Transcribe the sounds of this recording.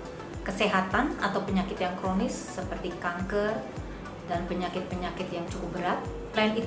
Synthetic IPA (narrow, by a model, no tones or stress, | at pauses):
kəseɦat̪ana̰t̪awpəɲakɪt̪jaŋkɾonɪsːəpərt̪ikaŋkər | danpəɲakɪt̪̚pəɲakɪt̪jaŋt͡ʃukʊp̚bəɾat̪̚ | laɪni